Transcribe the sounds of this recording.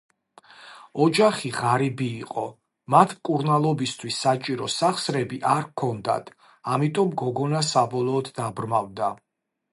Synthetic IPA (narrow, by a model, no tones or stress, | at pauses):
ɔd͡ʒaχiʁaɾibiːqʼɔ | mat̪ʰmkʼuɾnalˠɔbist̪ʰwisːat͡ʃʼiɾɔsaχsɾɛbiʔaɾkʰɔnd̪a̰t̪ʰ | amit̪ʼɔmɡɔɡɔnasabɔlˠɔːd̪ːabɾmavd̪a